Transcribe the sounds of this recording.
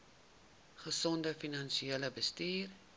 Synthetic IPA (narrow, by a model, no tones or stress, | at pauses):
χəsɔndəfinɐnʃieːləbəstiːr